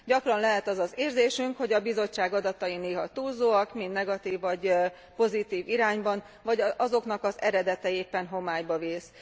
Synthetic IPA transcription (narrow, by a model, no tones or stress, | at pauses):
ɟɒkrɒnlɛɦɛt̪ɒzɒzeːrzeːʃyŋkho̞ɟɒbizo̞t͡ʃːaːɡɒd̪ɒt̪ɒineːɦɒt̪uːlzoːɒkmind̪nɛɡɒt̪iːvːɒɟ | po̞zit̪iːviɾaːɲbɒn | vɒɟɒzo̞knɒkɒzɛɾɛd̪ɛt̪ɛeːpːɛnɦo̞maːjbɒveːs